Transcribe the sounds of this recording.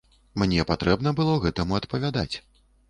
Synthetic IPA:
mnʲɛpat̪ɾɛbn̪ɐbɨlˠɔɣɛt̪ɐmuɐt̪pɐvʲad̪at͡sʲ

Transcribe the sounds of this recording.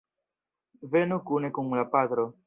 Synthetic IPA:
venukunekuŋlapad̪ɾo

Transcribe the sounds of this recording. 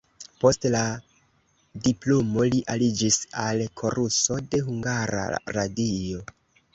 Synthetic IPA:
po̞stla | diplomo̞liʔalid͡ʒisalkʰo̞ɾuso̞de̞ɦuŋɡaɾa̰ɾadio̞

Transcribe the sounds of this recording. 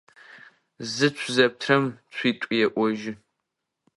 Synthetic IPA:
zɨt͡ɕʷʰzɐp̚tʰrɐmt͡ɕʷʰiːtʷʼijɛʔʷɔʒɪ

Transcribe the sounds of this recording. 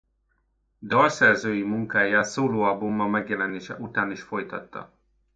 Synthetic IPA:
d̪ɒrsɛrzøːjimuŋkaːjaːt̪soːloːɒbumːɒmɛɡjɛlɛneːʃɛ̰ʔut̪aːniʃfo̞jt̪ɒ̰t̪ːɒ̰

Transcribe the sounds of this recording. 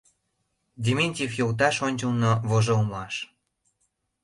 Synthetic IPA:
dʲiminʲtʲefjowt̪̬ɑʃonʲt͡ɕəlnovoʒolmɑʃ

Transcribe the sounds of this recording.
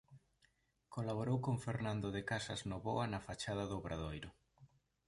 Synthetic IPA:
kolaβ̞oɾowkoŋfeɾnãnd̪oðɪkasɐznoβoanɐfat͡ʃað̞ɐðʊβɾaðojɾʊ

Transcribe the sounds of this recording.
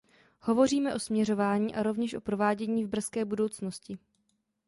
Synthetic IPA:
ho̞vo̞riːmɛʔo̞smɲɛɾo̞vaːɲiːʔaɾo̞vɲɛʃʔo̞pɾo̞vaːɟɛɲiːvbr̩skɛːbudo̞wt͡sno̞scɪ

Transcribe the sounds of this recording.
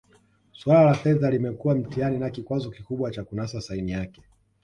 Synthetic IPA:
swalalafɛðalimɛkuwam̩tianinakikwazɔkikuɓwat͡ʃakunasasainijakɛ̥

